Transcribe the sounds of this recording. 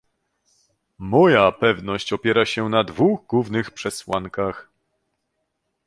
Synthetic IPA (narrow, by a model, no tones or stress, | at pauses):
mɔjapɛvnɔɕt͡ɕɔpʲjɛɾaɕɛnad̪vuɣɡwuvnɘxpʂɛswaŋkax